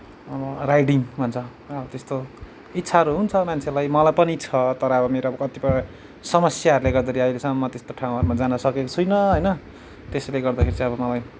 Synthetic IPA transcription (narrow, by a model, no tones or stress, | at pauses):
ʌbʌrajɖiŋbʱʌnt͡sʰʌ | ʌbʌt̪est̪o | itːsʰaɦʌɾuɦunt͡sʰʌmant͡sʰelajmʌlajpʌnit͡sʰʌt̪ʌɾʌʌbʌmeɾoʌbʌkʌt̪ipʌ | sʌmʌsjaɦʌɾuleɡʌrd̪ʌɾiʌilesʌmʌmːʌt̪est̪oʈʰaw̃ɦʌɾumad͡zanʌsʌkekot͡sʰujnʌɦʌjnʌ | t̪esleɡʌrd̪akʰeɾit͡sʌ̃ʌbʌmʌlaj